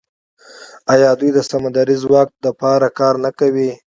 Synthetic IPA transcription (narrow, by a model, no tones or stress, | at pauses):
ajɑd̪ujd̪əsamad̪aɾizwɑk̚t̪lapɑɾakɑɾnakawi